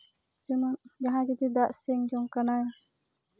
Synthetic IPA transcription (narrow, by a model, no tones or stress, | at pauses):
d͡ʒimad͡ʒaɦãd͡ʒid̪id̪aʔsɛŋd͡ʒɔŋkanaj